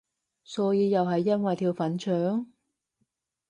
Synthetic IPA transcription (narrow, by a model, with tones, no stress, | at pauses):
sɔː˨˧˥jiː˨˧jɐ˨wɦɐ˨jːɐ˥nwɐ˨jt̪ʰiː˧wfɐ˨˥nt͡ʃʰœː˨˥ŋ